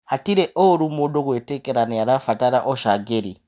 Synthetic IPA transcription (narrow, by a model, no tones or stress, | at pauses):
hatiɾeʔoɾumodoɡoetekɛɾanijaɾafataɾaʔoʃaɡeɾḭ